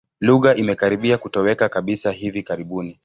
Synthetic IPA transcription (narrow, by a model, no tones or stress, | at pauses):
luɣaʔimɛkaɾiɓiakutɔwɛkakaɓisaɦivikaɾiɓuni